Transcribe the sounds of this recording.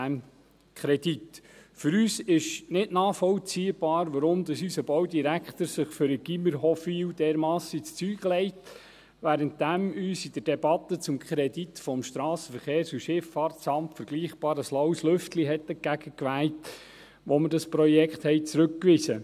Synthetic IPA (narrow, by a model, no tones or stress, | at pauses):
æn | kʰɾɛd̥itfʏɾyːsɪʃnɪdnɑːfɔlt͡siːəb̥ɑːɾʋɑɾʊmd̥̪ɑsysəbɔwdiɾækχt̪əɾsɪχfʏɾəɡ̥iməɾɦɔfiːwdɛːɾmɑːsit͡st͡syːɡ̥əlɛɪt | ʋæːɾənt̚d̥̪æmyːsid̥əd̥ɛbɑt̪ːət͡sʊmkχɾɛdit̪fɔmʃt̪ɾɑːsəfəɾχeːɾsuʃɪfɑrtt͡sɑmtfəɾɡ̥liːχb̥ɑːɾəslɔwslʏftliɦɛtdɛɡ̥æɡ̥əkʋæːlt | ʋɔmədɑspɾɔjɛkχt̪hɛɪt͡sɾɵkːʋɪsə